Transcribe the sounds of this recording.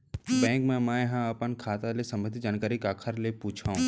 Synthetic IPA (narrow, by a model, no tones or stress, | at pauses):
bɛ̃ːŋkmɛ̃maːeɦãapənkʰaːt̪alesɐməd̪id͡ʒaːnkaːɾikaːkʰəɾlepuːt͡ʃʰaũ